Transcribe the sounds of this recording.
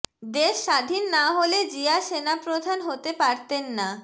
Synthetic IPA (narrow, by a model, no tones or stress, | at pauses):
d̪eʃːad̪ʱinːaɦoled͡ʑiaʃenapɾod̪ʱanɦot̪epaɾt̪enːa